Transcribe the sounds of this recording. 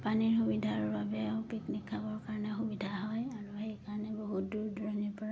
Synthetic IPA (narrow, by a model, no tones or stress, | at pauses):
paniɹxubidʱaɹbabɛpiknikʰːabɔɹkaɹɔnɛxubidʱaɦɔjaɹuhejkaɹɔnɛboɦut̚duɹdɹɔnipɔɹa